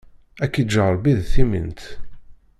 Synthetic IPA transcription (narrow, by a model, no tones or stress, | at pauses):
ækːid͡ʒəʁəɾbiðθimḭnt̪